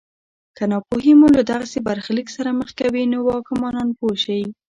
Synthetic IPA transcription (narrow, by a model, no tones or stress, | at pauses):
kanɑpoɦimulad̪aɣasebaɾxliksaɾaməxkawinowɑkɪmɑnɑnpoʃaji